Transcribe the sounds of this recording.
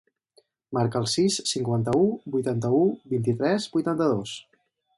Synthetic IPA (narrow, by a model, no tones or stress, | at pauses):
maɾkəːlˠsissːiŋkwant̪əubujt̪ant̪əubint̪̬it̪ɾɛzbujt̪ant̪əðos